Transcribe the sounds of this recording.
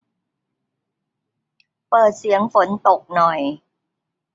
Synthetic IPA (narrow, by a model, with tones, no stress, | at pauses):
pɤː˨˩t̪̚si˩˦əŋfo˩˦nt̪o˨˩k̚nɔ˨˩j